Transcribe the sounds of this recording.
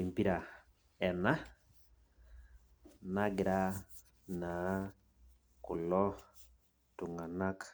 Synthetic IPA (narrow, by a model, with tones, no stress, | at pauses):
i˨mpi˦ɾa˨ | ɛ˨na˦ | na˦ɡɪ˨ɾa˦ | na˨˦ | kʊ˨lɔ˦ | tu˨ŋa˨na˦k